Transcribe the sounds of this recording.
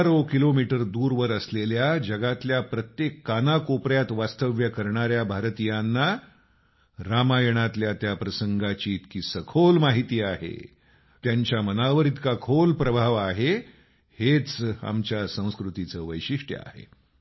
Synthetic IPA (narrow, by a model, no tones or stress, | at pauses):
ɾokilomiʈəɾd̪uːɾʋəɾəsleljad͡ʑəɡat̪ljapɾət̪jekːanakopɾjat̪ʋast̪əʋjəkəɾɳaɾjabʱaɾt̪ijanːa | ɾamajəɽ̃at̪ljat̪japɾəsəŋɡat͡ɕiːt̪kiːsəkʰolmaɦit̪iːaɦḛ | t̪jaɲt͡ɕjamənaʋəɾit̪kakʰolpɾəbʱaʋaɦe | het͡sa̰mt͡ɕjasə̃w̃skɾut̪it͡səːʋəjɕiʂʈjə̰a̰ɦḛ